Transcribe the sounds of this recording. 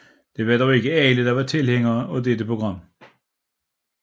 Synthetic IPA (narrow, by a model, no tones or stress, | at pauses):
d̥e̝ʋɑd̥ɒʊe̝ɡ̥əɛːləd̥ɑ̈ʋɑ̈t͡sʰe̝lheŋɐːɒd̥ed̥əpʰʁoɡ̥ʁɑ̈m̰